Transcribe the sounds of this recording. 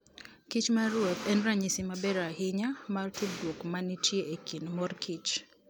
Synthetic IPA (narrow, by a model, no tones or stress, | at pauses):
kit͡ʃmaɾʊot̪ɛnɾaɲɪsɪmabɛɾahɪɲamartudwokmanitʰjeʔekinmɔrkʰit͡ʃ